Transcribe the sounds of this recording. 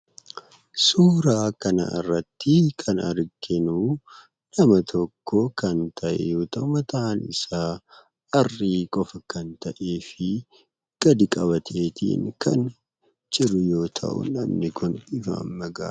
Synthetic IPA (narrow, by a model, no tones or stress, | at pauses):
suːɾaːkɐnɐ̰ʔɪ̰rːɐt̪ːɪkʰɐnɐɾɡɪnuː | nɐmɐt̪ʰɔkːoːkɐnt̪ʰɐʔɛ̰jo̞ːt̪ɐʔʊmɐt̪ɐʔːnɪ̰saː | ɐrːiːkʼɔfɐkɐnt̪ɐʔe̞ːfɪ | ɡ̥ɐd̪ɪkʼɐβɐt̪ʰeːt̪ʰḭːŋkɐ̰n | t͡ʃʼɪɾʊjo̞ːt̪ʰɐ̰ʔʊ̰nɐmnɪkʊnɪfa̰mːɐɡa̰ː